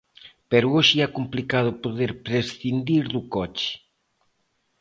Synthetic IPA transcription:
peɾʊoʃɪɛkomplikað̞ʊpoðeɾpɾesθind̪iɾðukɔt͡ʃɪ̥

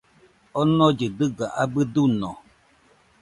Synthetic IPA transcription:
ɔnɔ̃d͡ʒɨdɨɡaʔabɨdunɔ̃

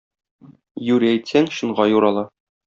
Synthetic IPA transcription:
jʉɾæjt̪sæŋɕɤ̆ɴʁɑjuɾɑlˠɑ

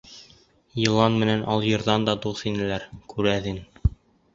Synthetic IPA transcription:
jɤ̆lˠɑnmɘ̆nænʔɑlˠjɤ̆ɾðɑnd̪ɑd̪uθinɘ̆læɾkʉɾæðɘŋ

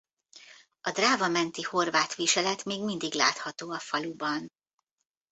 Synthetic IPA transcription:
ɒd̪raːvɒmɛnt̪iho̞rvaːt̪ʋiʃɛlɛt̪meːɡmind̪iɡla̰ːt̪hɒt̪oːɒfɒlubɒn

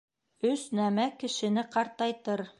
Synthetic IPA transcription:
ɵsnæmækɘ̆ʃɘ̆nɘqɑɾt̪ɑjt̪ɤɾ

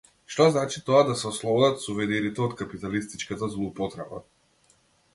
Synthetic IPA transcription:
ʃt̪ɔznat͡ʃit̪ɔad̪asɛɔslˠɔbɔd̪at̪suvɛniɾit̪ɛɔt̪kapit̪alist̪it͡ʃkat̪azlˠuupɔt̪ɾɛba̰

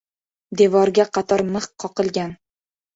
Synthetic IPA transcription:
d̪evɒɾɡʲaqɑt̪ʰɒɾmɨχqʰːɒqɨlˠɡʲan

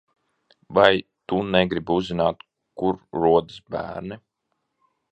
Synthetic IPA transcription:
vajt̪unɛɡɾibuzːinaːt̪ | kuɾɾuɔd̪ɨsbæ̰ːɾnɛ

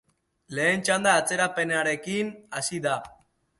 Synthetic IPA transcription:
le̞ːnt͡ʃand̪aːt͡se̞ɾape̞neaɾe̞kinasiða

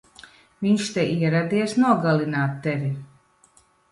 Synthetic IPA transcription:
viɲʃt̪ɛʔiɛɾad̪iɛsnuɔɡalinaːt̪ːɛvi

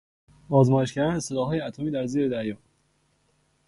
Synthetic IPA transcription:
ɒːzmɒːjeʃcæɾæneselɒːɦɒːjeæt̪ʰomiːd̪æɾziːɾed̪æɾjɒː

